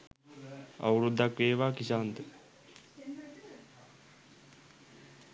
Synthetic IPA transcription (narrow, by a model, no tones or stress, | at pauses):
a̰wɾud̪ːakʋeːʋaːkisaːnt̪ə